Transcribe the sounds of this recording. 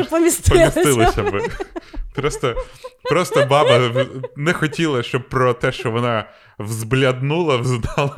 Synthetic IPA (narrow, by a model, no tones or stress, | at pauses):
pɔmʲist̪pɔmɪist̪ɪlˠɪssʲɐbɪpɾɔst̪ɔpɾɔst̪ɔbɑbɐnɛxɔtʲilˠɐʃt͡ʃɔb̚pɾɔt̪ɛʃt͡ʃɔʋɔnɑ | wzblʲɐd̪nulˠɐwzd̪ɑlˠɐ